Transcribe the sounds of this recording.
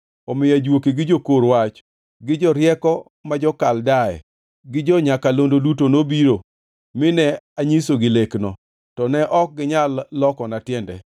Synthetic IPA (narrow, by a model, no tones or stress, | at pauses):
ɔmɪjad͡ʒwokeɡɪd͡ʒokoɾwat͡ʃ | ɡɪd͡ʒɔɾjɛkɔ | mad͡ʒɔkaldaɛ̰ | ɡɪd͡ʒɔɲakalondodut̬onobiɾo | mɪnɛaɲisoɡɪleknɔ | tɔnɛʔɔk̚ɡɪɲalːɔkɔnatjɛndɛ̰